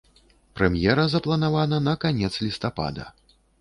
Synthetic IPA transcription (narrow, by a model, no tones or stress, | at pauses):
pɾɛmjɛɾɐzɐplˠɐnavanɐnɐkanʲɛt̪slʲist̪apa̰d̪ɐ̰